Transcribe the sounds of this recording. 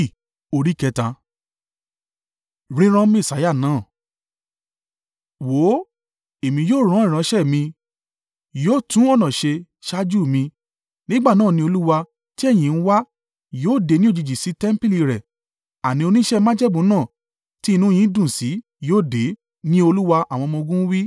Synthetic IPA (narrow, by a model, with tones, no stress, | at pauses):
o˧ɾi˦kɛ˧tã˧ | ɾĩ˦ɾ̃ã˧mĩ˦˨sa˨˦ja˦˨nãː˨˦˨ | wo˨˦ | e˨mĩ˧joː˦˨ɾ̃ã˨˦ĩ˦˨ɾã˨˧˦ʃɛ˦˨mĩ˧ | joː˦˨tũ˦ɔ˦˨nã˨ʃe˧ | ʃa˦d͡ʒu˦˨mĩ˧ | nĩ˦ɡ͡ba˦˨nãː˦˨nĩ˧o˧lu˦wa˧ | ti˦ɛ˦˨j̃ĩ˨n̩˦wa˦ | joː˦˨de˨˦nĩ˦o˦d͡ʒi˧d͡ʒi˨si˨˦tɛ˦m˦pi˦li˧ɾɛ˨ | a˨nĩ˨˦o˧nĩ˦ʃɛ˦mã˦d͡ʒɛ˦bũ˨˦nãː˦˨ | ti˦˧nũ˦˧j̃ĩ˨˦dũ˦˨si˨˦ | joː˦˨de˨˦ | nĩ˦o˧lu˦wa˧ʔa˨w̃ɔ̃˧mɔ̃˧ɡũ˦wi˦